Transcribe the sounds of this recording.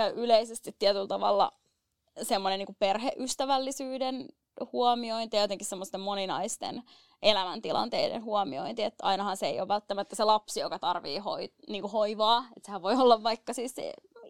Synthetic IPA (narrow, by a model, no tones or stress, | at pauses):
kæyʔyleisest̪it̪ːiæt̪ylt̪ɑʋɑ̰lːɑ̰ | semːoneniːŋkupperheʔyst̪æʋælːisyːden | huɑmioint̪ijɑjot̪eŋkissemːost̪emmoninɑist̪ḛn | ʔelæmænt̪ilɑ̰nt̪ḛidḛnhuɑmio̰int̪iet̪ːɑinɑhɑnseḛijo̰ʋʋælt̪ːæmæt̪ːæselɑpsijokɑt̪ɑrʋḭːho̰iniːŋkuhoiʋɑːet̪sehæʋʋoiolːɑʋːɑikːɑsiːssḛ